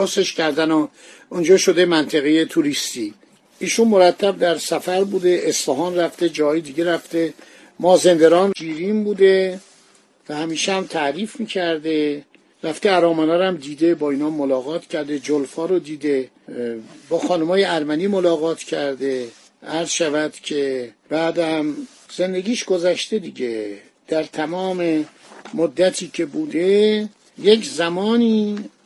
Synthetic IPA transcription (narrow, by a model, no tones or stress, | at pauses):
oseʃcæɾd̪ænɔ | und͡ʒɒːʃo̞d̪e̞mænt̪ʰeɣejet̪ʰuɾist̪i | iːʃunmoɾæt̪ʰːæb̚d̪æɾsæfæɾbuːd̪e̞ʔːsfæɦɒːnræft̪ed͡ʒɒːɦɒːjed̪iːɟeɾæft̪e̞ | mɒːze̞nd̪eɾɒːnd͡ʒiːɾiːmbuːd̪e̞ | væhæmiːʃehæmt̪ʰæɾiːfmiːcʰæɾd̪e̞ | ɾæft̪eæɾɒːmænɒːɾæmd̪iːd̪ebɒːiːnɒːmːolɒːɣɒːt̪ʰcʰæɾd̪e̞d͡ʒolfɒːɾod̪iːd̪e̞ | bɒːxɒːnumɒːjeæɾmæniːmolɒːɣɒːt̪ʰcʰæɾd̪e̞ | ʔæɾz̥ʃævæd̪̥cʰe̞b̥æːd̪æm | z̥e̞nd̪e̞ɡʲiːʃɡozæʃt̪e̞d̪iɟe | d̪̥æɾt̪ʰæmɒːme | mod̪ːæt̪ʰiːcʰe̞buːd̪e | jeczæmɒːniː